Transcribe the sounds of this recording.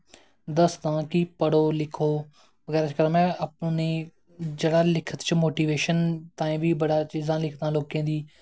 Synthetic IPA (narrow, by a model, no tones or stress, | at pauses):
d̪əsd̪ãːkipəɽoːlɪkʰoː | bəɡɛːɾaːt͡ʃkəɾaːmɛ̃ːəpneː | d͡ʒeɽaːlɪkʰət̪t͡ʃəmoːʈiːʋeːʃənt̪ãːĩːʋiːbəɽaːt͡ʃiːzãːlɪkʰd̪ãːloːkẽːd̪iː